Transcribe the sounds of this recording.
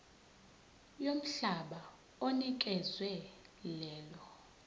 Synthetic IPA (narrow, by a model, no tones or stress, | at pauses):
jom̩ɬaɓa | onik̬ʼɛzwɛlɛːlɔ